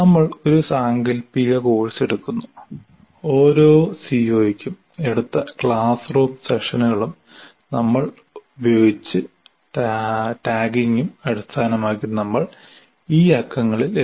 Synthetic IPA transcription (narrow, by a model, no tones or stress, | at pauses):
nɐmːɐɭo̞ɾusaːŋɡɐlpiɣɐkoːɻɐse̞ɽukːunːu | o̞ːɾo̞ːsiːoːjikʲːum | e̞ɽut̪ːɐkɭaːsro̞ːmseʂɐnuɣɐɭum | nɐmːɐɭ | ubjoːɡit͡ɕːɨ | ʈaːɡiŋɡumɐɾust̪ʰaːnɐmaːkːinɐmːɐɭ | iːɐkʰːɐŋːɐɭile